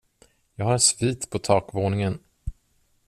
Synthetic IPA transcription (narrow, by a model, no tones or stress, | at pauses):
jɑːɡhaɾɛsviːt̪pʰɔt̪ʰɑːkvoːnɪŋən